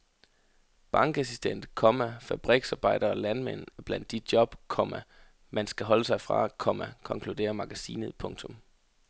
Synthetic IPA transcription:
b̥ɑ̈ŋɡ̥æsisd̥en̰d̥kʰɒmæfæb̥ʁɛɡ̥sɑ̈ːb̥ɑ̈ɪ̰d̥ɐɒlænmen̰b̥læn̰d̥ːid̥̚djɒ̽b̥kʰɒ̽mæ | mænsɡ̥æɦɒ̽ləsɑ̈ɪfʁɑ̰̈kʰɒ̽mækʰɒ̽ŋkʰlud̥e̝̰ːɐmɑ̈ɡ̥æsḭːnəð̩ˠpʰɔ̽ŋt͡sʰɔ̽m

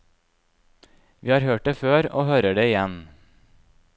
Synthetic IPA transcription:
ʋʔiːhɑːɾhøːʈ̚d̪eːføːɾoːhøːɾəɖeːɪjɛn

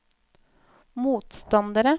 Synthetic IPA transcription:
muːt̪st̪ɑnd̪əɾə

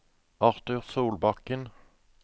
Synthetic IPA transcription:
ɑʁt̪ʉːʁsuːlbɑkən

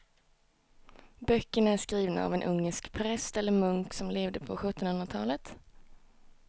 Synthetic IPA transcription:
bœkːəɳaæʂkɾiːvna̰a̰vɛnʔɵŋːəʂkpʰɾɛst̪ɛlːəɾmɵŋksɔmleːvd̪əpʰɔɧɵt̪ːɔnhɵnɾat̪ʰɑːlət̪

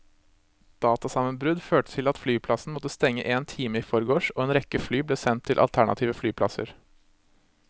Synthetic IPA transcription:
d̪̥ɑːt̪ɑsɑmənbɾʉd̪føːʈə̥t̪ʰɪlɑt̪flyːpʰlɑsn̩mɔt̪əst̪ɛŋːəʔeːnt̪ʰiːməiːfɔɾəɡoːʂoːeːnɾɛkəflyːbleːsɛnt̪ʰːɪlʔɑ̰lt̪ʰæɳɑ̰t̪ʰiːʋəflyːpʰlɑ̰sə̰ɾ

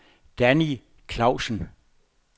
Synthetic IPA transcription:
d̥æni | kʰlɑ̈ʊsən̩

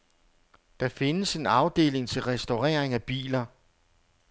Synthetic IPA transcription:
d̥ɑ̈fe̝nəse̝nɑ̈ʊd̥e̝̰ːle̝ŋt͡sʰe̝lʁɛsd̥oʁɛ̰ːɐ̰eŋæb̥ḭːlɐ

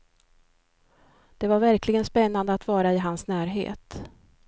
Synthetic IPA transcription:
d̪̥ɛvaɾvæɾkʰlɪɡənspɛnːand̪əat̪vɑːɾaɪɦansnæːɾɦḛːt̪

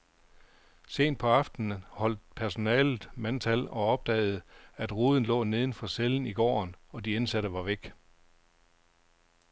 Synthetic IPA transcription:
se̝̰ːnd̥̚pʰɒ̽ɑ̈fd̥n̩əhɒ̽l̰d̥̚pʰæɐso̝nɛ̰ːlð̩ˠmænt͡sʰælɒ̽ɒ̽b̥̚d̥ɛ̰ːð̞̩ˠæd̥ʁuːð̞ˠn̩lɔ̰̽ːne̝ːð̞ˠn̩fɒ̽seln̩iɡ̥ɒ̰ːnɒ̽d̥iensæɾ̥əʋɑ̈ʋeɡ̥

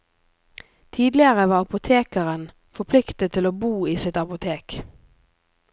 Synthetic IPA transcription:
t̪ʰiːd̪lɪəʁəʋɑːɑpʊt̪ʰeːkəʁən | fɔpʰlɪkt̪ət̪ʰːɪloːbuːiːsɪt̪ɑpʊt̪ʰeːk

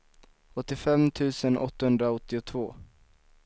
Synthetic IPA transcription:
ɔt̪ːɪfɛmt̪ʰʉ̟ːsənɔ̰t̪ːahɵnd̪ɾaɔt̪ːɪʊt̪ʰvoː

